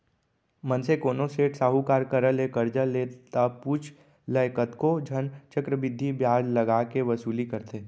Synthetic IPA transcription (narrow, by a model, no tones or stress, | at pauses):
mə̃nsekoːnoseːʈsaːɦukaːɾkəɾəlekəɾd͡ʒəleːt̪apuːt͡ʃʰ | ləɪkət̪kod͡ʒʱənt͡ʃəkɾəʋɪd̪ʱːibjaːd͡ʒlɐɡaːkeʋɐsuːlikɐɾt̪eː